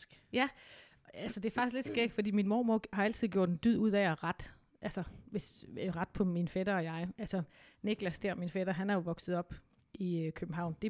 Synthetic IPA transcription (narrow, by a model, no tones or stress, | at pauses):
jæ | ælsəd̥e̝ɐfɑ̈ɡ̥isd̥le̝d̥sɡ̥eɡ̥fɒd̥ḭːminmo̝ːmoɐhɑ̈æl̰t͡sʰiðˠɡjo̝ɐ̰d̥end̥yð̰ˠuð̰ˠɛɒʁɑ̈d̥ | ʔælsɐʋe̝sʁɑ̈d̥pʰɒ̽minfɛd̥ɐɒjɑ̈ɪʔælsɐ | ne̝ɡ̥læsd̥eɐ̰minfed̥ɐɦænæɐjo̝ʋɒ̽ɡ̥sð̞̩ˠɒ̽b̥ | ʔikʰøb̥m̩ɦɑ̈ʊ̰nd̥e̝